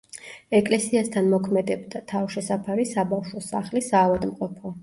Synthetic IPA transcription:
ɛkʼlɛsiast̪ʰanmɔkʰmɛd̪ɛbd̪at̪ʰavʃɛsapʰaɾisabafʃwɔsaχlisaːvad̪mqʼɔpʰɔ

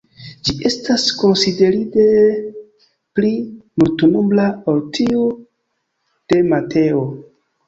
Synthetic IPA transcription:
d͡ʒiʔe̞stasko̞nside̞ɾide | plimultunumblaoltʰiu | d̥e̞matʰeo

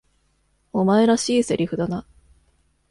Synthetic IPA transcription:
o̞mae̞ɾaɕiːse̞ɾʲiɸɯ̟d̪ana

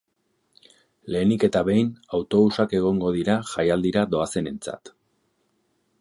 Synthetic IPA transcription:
le̞ːnike̞t̪aβe̞jnawt̪o̞βusake̞ɣ̞o̞ŋɡo̞ð̞iɾaʝajald̪iɾad̪o̞ase̞ne̞nt͡sa̰t̪

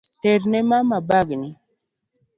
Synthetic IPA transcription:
teɾnɛmamabaɡni

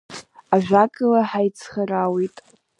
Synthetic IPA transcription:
aʒᶣʷakʼɨlaħajt͡sʰχarawitʼ

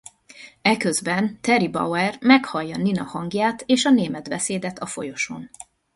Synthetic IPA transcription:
ɛkøzbɛnt̪ɛɾibɒ̰wɛrmɛkhɒjːɒninɒhɒŋɡjaːt̪eːʃɒneːmɛd̪bɛseːd̪ɛt̪ʰɒfo̞̰jo̞ʃo̞̰n

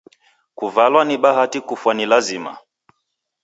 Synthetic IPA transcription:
kuvalwaniɓaɦatikufwanilazima̰

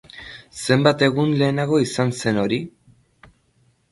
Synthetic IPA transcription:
se̞mbat̪e̞ɣunle̞ːnaɣ̞o̞isanse̞no̞ɾi

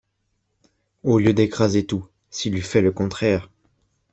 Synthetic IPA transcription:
oljød̪ekχazet̪u | silyfɛləkɔ̃t̪χɛːʁ

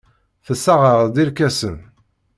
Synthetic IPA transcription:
θəsːaʁəʁd̪iɾkæsən

